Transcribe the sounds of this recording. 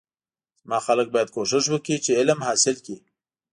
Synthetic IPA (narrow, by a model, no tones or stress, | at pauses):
zmɑxalək̚bɑjad̪̚koʃɪʃ̬wəkit͡ʃeɪləmhɑsɪlki